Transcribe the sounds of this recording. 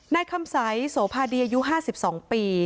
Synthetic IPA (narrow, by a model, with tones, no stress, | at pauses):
naː˧jkʰa˧msa˩˦jsoː˩˦pʰaː˧diː˧ʔaː˧ju˦˥ɦaː˥˩si˨˩p̚sɔː˩˦ŋpiː˧